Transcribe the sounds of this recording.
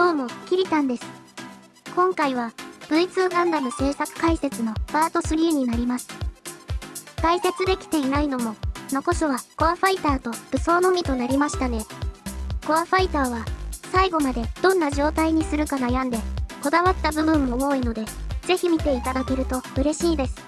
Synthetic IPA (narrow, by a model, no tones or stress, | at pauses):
d̪̥o̞ːmo̞kʲiɾʲit̪ãnd̪e̞sɨ̥ | kõ̞ŋkaiβ̞ab̥ɯ̟it͡sɨɡãnd̪amɯ̟se̞ːsakɯ̟̥kaise̞t͡sɨno̞b̥aːt̪o̞sɨɾʲiːɲ̟inaɾʲimasɨ̥ | ɡ̥̪aise̞t͡sɨd̪e̞kʲi̥t̪e̞inaino̞mo̞no̞ko̞ɕoβaɡ̥o̞aɸait̪aːt̪o̞b̥ɯ̟so̞ːno̞mʲit̪o̞naɾʲimaɕi̥t̪ane̞ | ɡ̥o̞aɸait̪aːβasaiɡo̞mad̪e̞d̪̥õ̞nːaʑo̞ːt̪aiɲ̟isɨɾɯ̟kanajãnd̪e̞ko̞d̪aβat̪ːabɯ̟bɯ̟̃mːo̞o̞ino̞d̪e̞z̥e̞çimʲit̪e̞it̪ad̪ake̞ɾɯ̟t̪o̞ɯ̟ɾe̞ɕiːd̪e̞sɨ̥